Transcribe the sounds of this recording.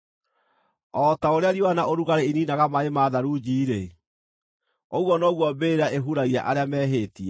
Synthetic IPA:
ɔtaoɾeaɾiowanaʔoɾuɣaɾeininaɣamaemaðaɾud͡ʑiːɾe | oɣwɔnɔɣwɔbeɾaʔeɦuɾaia̰ʔaɾeamɛːɦeːtia

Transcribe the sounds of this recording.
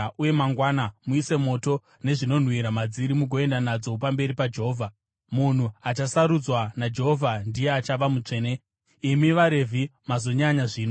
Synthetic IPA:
ʔuje̞maŋɡwaːnamuise̞mo̞to̞ | ne̞ʐino̞n̤wiɾamad͡ziɾimuɡʱo̞e̞ndanad͡zo̞pambe̞ɾipad͡ʒe̞ɦoːvʱa | mun̤uat͡ʃasaɾud͡zwanad͡ʒe̞ɦovʱandije̞at͡ʃaʋamut͡ʂe̞ːne | imiʋaɾe̞vʱimazo̞ɲaɲaʐiːno

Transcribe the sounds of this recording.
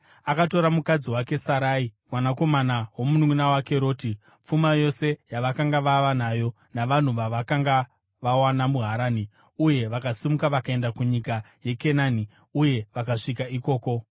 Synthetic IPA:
akato̞ɾamukad͡ziwake̞saɾaimwanako̞manawo̞munuŋunawake̞ɾo̞ːti | p͡fumajo̞se̞jaʋakaŋɡaʋaʋanajo̞ | naʋan̤uʋaʋakaŋɡa | ʋawanamuɦaɾaːni | uje̞ʋakasimukaʋakae̞ndakuɲika | je̞ke̞naːni | uje̞ʋakaʂikaiko̞ːko̞

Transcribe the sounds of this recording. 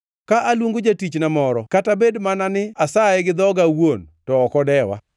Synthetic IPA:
kaʔalwuŋɡod͡ʒatit͡ʃnamɔɾɔkatabedmananɪasaɪɡɪd̪ɔɡawontɔːkɔdɛwa̰

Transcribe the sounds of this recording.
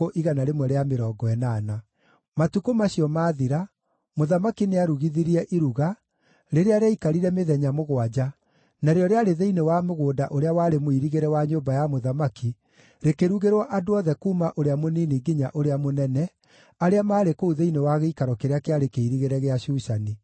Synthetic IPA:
oʔiɣanaɾemwɛɾeameɾɔɡɔɛnaːna | matukomaɕiɔmaːðiɾa | moðamakineaɾuɣiðiɾiɛʔiɾuɣa | ɾeɾeaɾeɛikaɾiɾɛmeðɛɲamoɣwad͡ʑa | naɾeɔɾeaɾeðeinewameɣoːdaʔoɾeawaɾemoiɾiɣeɾɛwaɲoːbajamoðamaki | ɾekeɾuɣeɾwaʔadoɔðɛkuːmaʔoɾeamoniːniɡiɲa̰ʔoɾeamonɛnɛ | aɾeamaːɾekouðeinewaɣeikaɾɔkeɾeakeaɾekeiɾiɣeɾɛɣeaɕuːʃani

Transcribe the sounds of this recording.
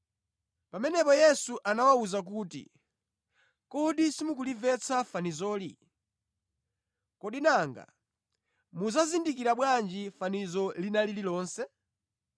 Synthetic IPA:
pamɛnɛpɔjɛsuʔanawauzak̬uːtḭ | kɔɗisimukulivɛt͡sʰafanizɔːli | kɔɗinaŋɡa̰ | muzazindik̬iɾaɓwand͡ʒifanizɔlinalililɔːnsɛ

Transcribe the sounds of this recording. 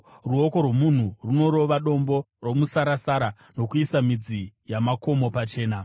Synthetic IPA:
ruo̞ko̞rwo̞mun̤uruno̞ɾo̞ʋaɗo̞mbo̞ | ro̞musaɾasaɾa | no̞kuisamid͡zijamako̞mo̞pat͡ʃe̞ːna

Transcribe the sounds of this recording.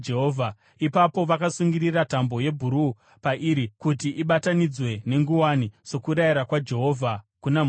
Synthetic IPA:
d͡ʒeɦovʱa | ipapo̞ʋakasuŋɡiriratambo̞je̞bʱuɾu | paʔiɾikutiʔiɓatanid͡zwe̞ne̞ŋɡuwaniso̞kuɾaiɾakwad͡ʒe̞ɦoːvʱakunam

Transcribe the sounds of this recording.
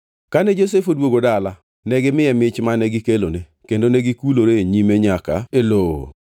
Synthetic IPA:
kanɛd͡ʒos̬efodwoɡodala | nɛɡɪmɪjɛmɪt͡ʃmanɛɡɪkelone | kendonɛɡikuloɾeɲimeɲaka̰eloo̰

